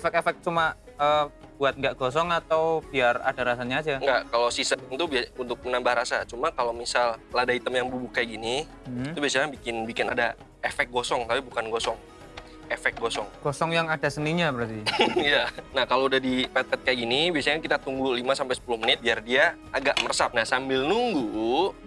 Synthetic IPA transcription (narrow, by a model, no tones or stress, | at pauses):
ɛfɛk̚efɛk̚t͡ʃumaəːb̥uat̪̚ŋɡaʔɡ̥os̬ɔŋat̪awb̥iara̰daɾasaɲaːd͡ʒaŋɡaʔkalosisəmt̪ubunt̪ʊk̚mənambahɾasa̰t͡ʃumakalowmisalladait̪əmjaŋbubukːajɡini | hm̩t̪ubias̬aɲabikɪnbikɪna̰da | efɛk̚ɡosɔŋt̪apibukanɡosɔŋ | efɛk̚ɡosɔŋɡ̥osɔŋjaŋadasəniɲabəɾat̪iijanahkaloudadipat̪ɛt̪̚kajɡinibiasaɲakit̪at̪uŋɡulimasampajsə̥pulʊhmənɪt̪̚biardia | aɡaʔmərsap̚nahsambɪlnuŋɡu